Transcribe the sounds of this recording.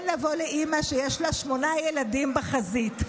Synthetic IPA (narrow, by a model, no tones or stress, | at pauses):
nlavo̞leʔimaʃejeʃlaʃmo̞najeladimbeχazit